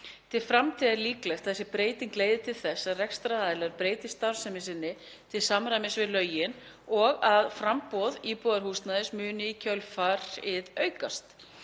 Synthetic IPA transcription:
t̪ʰɪlfɾamt̪ʰiːðaliːklɛxt̪θɛsːɪpɾeːjt̪inŋkleːjðɪt̪ʰɪlθɛsːaðrɛkst̪ɾaaːðɪlaɾpɾeːjt̪ɪst̪aɾ̥sɛmɪsɪnːɪ | t̪ʰɪlsamɾajmɪsvɪðlœːɥjɪn | ɔɣaðfɾampɔðiːpɔðaɾhuːst̪naðɪsmʏːnɪicʰœlfaɾ̥ɪðœːɥkast̪

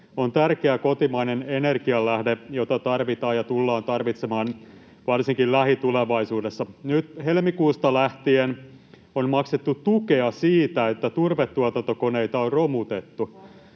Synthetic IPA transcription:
ont̪ærkeækot̪imɑinenenerkiɑllæhdejot̪ɑt̪ɑrʋit̪ɑːjɑt̪ulːɑːnt̪ɑrʋit̪semɑːn | ʋɑrsiŋkillæhit̪uleʋɑisuːdesːɑnyt̪helmikuːst̪ɑlæht̪ien | onmɑkset̪ːutt̪ukeɑsiːt̪æet̪ːæt̪urʋet̪ːuɑt̪ɑnt̪okoneit̪ɑorromut̪et̪ːu

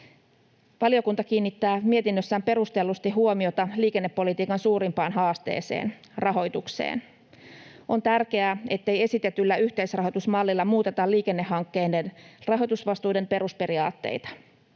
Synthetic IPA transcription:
ʋɑlijo̞kunt̪ɑkiːnːit̪ːæːmie̞t̪inːøsːæːmpe̞ɾust̪e̞lːust̪iɦuomio̞t̪ɑliːke̞nːepːo̞lit̪iːkɑnsuːɾimpɑːnɦɑːst̪ḛːsḛːn | rɑɦo̞jt̪uksḛːn | ʔo̞nt̪ærk̟e̞æe̞t̪ːe̞jesit̪e̞t̪ylːæyht̪eisrɑɦojt̪usmɑlːilːɑmuːt̪e̞t̪ɑliːke̞nːehːɑŋkːe̞jndenrɑɦo̞jt̪usʋɑst̪uːde̞mpe̞ɾuspe̞ɾiɑ̰ːt̪ːe̞̰jt̪ɑ̥

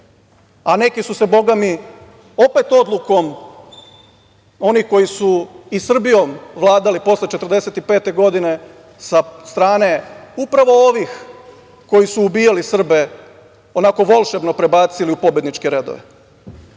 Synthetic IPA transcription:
ane̞kisuse̞bo̞ɡami | o̞pe̞t̪o̞d̪lˠuko̞m | o̞nixko̞jisuisr̩bijo̞mʋlˠaːd̪alipo̞slet͡ʃet̪ər̩d̪e̞se̞t̪ipe̞ːt̪e̞ɡo̞d̪ine̞ | sast̪ɾaːne̞upɾaʋo̞oʋix | ko̞jisuːbiːjalisr̩be̞ | o̞nako̞ʋo̞lˠʃeʋnopɾe̞baːt̪siliupo̞bjed̪nit͡ʃke̞ɾe̞d̪o̰ʋḛ

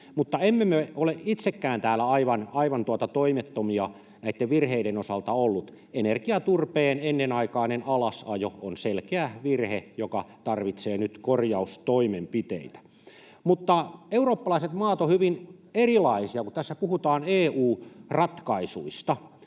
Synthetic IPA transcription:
mut̪ːɑemːemeoleʔit̪sekːæːnt̪æːlːæɑiʋɑnɑiʋɑnt̪uɑt̪ɑt̪oimet̪ːomiɑ | næit̪ːeʋʋirheiɾenosɑlt̪ɑolːut̪ | enerkiɑt̪urpeːnenːenɑikɑːnenɑlɑsɑjoonselkeæʋirhejokɑt̪ɑrʋit̪seːnyt̪korjɑust̪oimempit̪ḛit̪æ̥ | mut̪ːɑeuroːpːɑlɑiset̪mɑːt̪ohyʋinerilɑisiɑkut̪æsːæpuhut̪ɑːneːuːrɑt̪kɑisuist̪ɑ

